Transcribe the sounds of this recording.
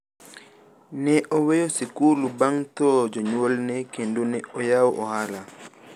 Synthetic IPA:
nɛʔɔwejosikulubaŋtɔd͡ʒɔɲolnekendunɛɔjawʔɔhala

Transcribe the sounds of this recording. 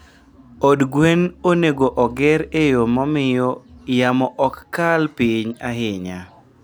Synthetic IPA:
odɡwenoneɡoʔɔɡɪɾejomɔmɪjɔjamɔʔɔkːalpiɲaɦɪɲa

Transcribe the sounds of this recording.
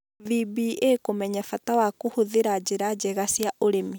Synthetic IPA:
vibiʔekomɛɲafatawakohuðeɾad͡ʒeɾad͡ʒɛɣasjaʔoɾemi

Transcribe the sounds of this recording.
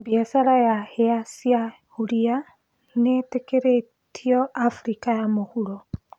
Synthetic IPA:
biasaɾajaheasia | huɾia | netekeɾe | tʰiɔʔafuɾikajamohuɾo

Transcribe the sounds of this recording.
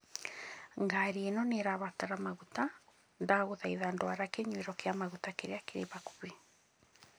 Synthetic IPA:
ŋɡaɾienɔneɾaβataɾamaɣuta | ndaɣoðaiðandoaɾakeɲweɾɔkeamaɣutakeɾeakeɾḛβaku̥βe

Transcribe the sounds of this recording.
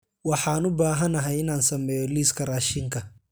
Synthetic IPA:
wɑħɑːnʊbaːɦɐnɐɦɛjɪnaːnsɐmɛːjɔliːskʰɐraːʃɪŋkʰɐ

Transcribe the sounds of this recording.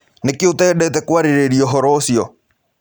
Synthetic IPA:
nekiotɛɗɛtɛkwaɾeɾeɾiɔɦɔɾɔsjɔ

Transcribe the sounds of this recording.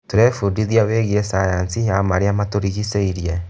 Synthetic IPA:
toɾɛfudiðiaβeɣiesajansijamaɾeamatoɾiɣiseiɾiɛ

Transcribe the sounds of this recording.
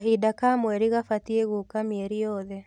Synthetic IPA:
ɦidakamwɛɾiɣafatieɣukamiɛɾijɔðɛ

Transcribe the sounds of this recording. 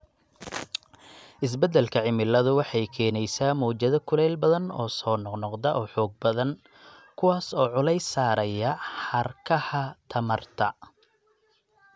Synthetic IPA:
ʔɪs̬bɛd̪ɛlkʰɐʕɪmɪlːɐðʊwɑħɑjkʰɛːnɛjsaːmɔːt͡ʃɐðɐkʰʊlɛːlbɐðɐnɔ̰ːsɔːnɔqnɔqd̪ɐʔɔːħɔːɡ̚bɐðɐn | kʰʊwaːsɔːʕʊlɛjsaːɾɐjɐħɐrkʰɐhɐt̪ʰɐmɐrt̪ʰɐ

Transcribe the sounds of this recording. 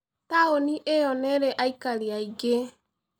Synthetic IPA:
taoniʔeɔneɾɛʔaikaliaiɡe

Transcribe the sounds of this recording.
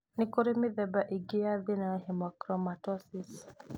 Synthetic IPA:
nɪkoɾimiðɛbaʔiɡiaðinaɦɛmakɾɔmatɔsis

